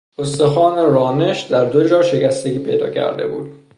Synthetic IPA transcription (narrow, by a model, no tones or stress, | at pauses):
ost̪e̞xɒːneɾɒːne̞ʃd̪æɾd̪o̞d͡ʒɒːʃe̞cæst̪eɡʲiːpʰe̞̰jd̪ɒ̰ːcʰæ̰ɾd̪e̞̰bṵːd̪̥